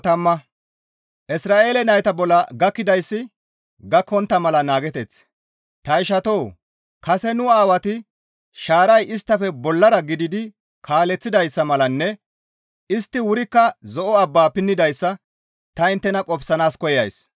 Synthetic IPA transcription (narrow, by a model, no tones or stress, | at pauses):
t̪ɐmːɐ | ʔɪsɾaːʔe̞ːlɛnɐjt̪ɐbɔlːɐɡɐkːɪd̪ɐjsːɪ | ɡɐkːɔnt̪ːɐmɐlɐnaːɡɛt̪ɛt͡s | t̪ɐɪʃɐt̪oː | kɐsɛnʊaːwɐt̪ɪ | ʃaːɾɐjʔɪst̪ːɐfɛbɔlːɐɾɐɡɪd̪ɪd̪ɪ | kʰaːlɛt͡sːɪd̪ɐjsːɐmɐlɐnːɛ | ɪst̪ːɪwʊɾɪkːɐzɔʔɔɐbːaːpɪnːɪd̪ɐjsːɐ | t̪ɐɪnt̪ːɛnɐkʼɔbsɐnaːskɔjɐ̰js